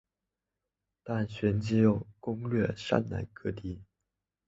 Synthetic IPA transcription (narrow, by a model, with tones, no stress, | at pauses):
t̪a˥˩nɕɥɛ˧˥nt͡ɕi˥jo˥˨˩ʊkʊ˥ŋlɥɛ˥˧ʂa̰˥nna̰˧˥nkʰɤ˥˧t̪i˥˩